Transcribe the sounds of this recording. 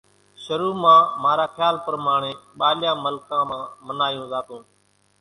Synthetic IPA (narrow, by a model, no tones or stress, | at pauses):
ʃəɾuːmãːmaːɾaːkʰjaːlpəɾmaːɳeːɓaːljãːməlkãːmãːmənaːjũːzaːt̪ũː